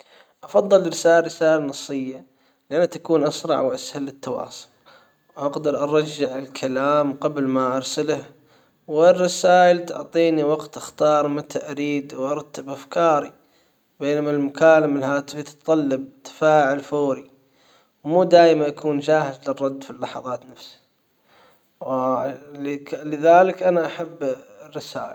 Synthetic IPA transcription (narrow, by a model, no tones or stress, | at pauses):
ʔɑfɑðˤːɨlɾɪsaːlɾɪsaːlanɑsˤːɨjːa | lɪʔanːat̪akuːnʔɑsɾˤɑ̰ʕwʔashalːɪt̪ːɑwɑ̰ːsˤʊ̥l | wʔaɡd̪ɑɾˤʔɑɾˤɑd͡ʒːɪʕɪlkʰalaːmqɑblmaʔɑɾˤsalah | wɪrˤːɑsaːʔɪlt̪ʊ̰ʕt̪ˤiːniwɑɡt̪ʔaxt̪ɑːɾˤmat̪ʰaʔaɾiːd̪wʔɑɾˤt̪ːabʔafkɑːɾi | beːnamalmʊkaːlamalhaːt̪fit̪ɨ̥tt̪ˤːɑlːɑb̚t̪ḁfaːʕɪlfoːɾi | wmuːd̪aːjmanʔakuːnd͡ʒaːhɪzlɪrˤːɑd̪ːfilːɑħɑ̰ðˤɑːt̪nafsi̥ | w | lɪðaːlɪkʔanaʔaħabːrːɪsaːʔɪ̰l